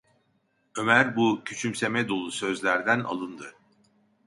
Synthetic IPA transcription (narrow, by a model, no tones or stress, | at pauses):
ø̞mæɾbucʰyt͡ʃʰymse̞mɛd̪o̞lˠusø̞zlʲæɾd̪æna̰lˠɯnd̪ɯ